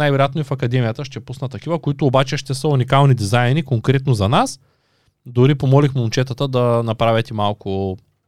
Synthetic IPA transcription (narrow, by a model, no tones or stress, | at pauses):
ajvɛɾojat̪noʊifɐkɐd̪ɛmijət̪əʃt̪ɛpusnət̪ːɐkivɐkoit̪ʊːbat͡ʃɛʃt̪ɛsəunikalˠnid̪izajnikoŋkɾɛt̪nozɐnas | d̪ʊɾipomɔlixmunt͡ʃɛt̪ət̪əd̪ɐnɐpɾavʲɛt̪imalˠkʊ